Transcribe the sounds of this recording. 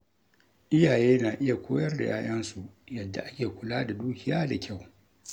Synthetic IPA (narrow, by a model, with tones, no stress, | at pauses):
ʔɪ˦jaː˨jeː˦naː˨ʔɪ˦ja˨kʷoː˦jɐ˦rda̰˨jʔaː˦ʔɐ˦nsu˨jɐ˨dːa̰˨ʔa˦kʲeː˨kʷʊ˨laː˦da˨duː˦kʲɪ˨jaː˦da˨kʲa˦˨w